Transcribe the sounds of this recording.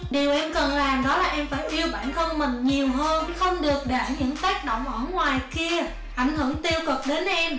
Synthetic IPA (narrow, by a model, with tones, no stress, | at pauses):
ɗi˨˩əwʔɛ˧mkə˨˩nlaː˨˩mɗɔ˨˦laː˨˩ʔɛ˧mfaː˧˩jʔi˧əwɓa̰ː˧˨nxə˧wŋ͡mmï˨˩ŋ̟ɲi˨˩əwɦəː˧nxə˧wŋ͡mɗɨ˨˩ək̚ɗa̰ː˧˩ɲɨ̰˧˥ŋt̪aː˦˥k̚ɗo̰˧˨wŋ͡mʔəː˧˩ŋwaː˨˩jki˧ə | ʔa˧˩jŋ̟hɨ˧˩əŋt̪i˧əwkɨ˨˩ɗe˨˦nʔɛ˧m